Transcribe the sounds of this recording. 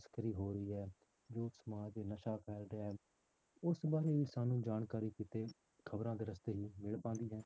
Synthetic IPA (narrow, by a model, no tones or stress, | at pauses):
skəɾiːɦoːɾəiːɦɛː | d͡ʒoːsəmaːd͡ʒd̪eːnəʃaːpʰɛːlɖeɛː | ʊsbaːɾeːiːsaːnũːd͡ʒaːnkaːɾiːkiːt̪eː | kʰəbɾãːd̪eːɾəst̪eːɦiːmɪɭpãːnd̪iːɦɛ̃ː